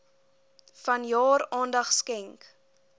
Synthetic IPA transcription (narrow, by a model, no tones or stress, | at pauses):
fɐnjɑːɾɑːndɐχskɛŋk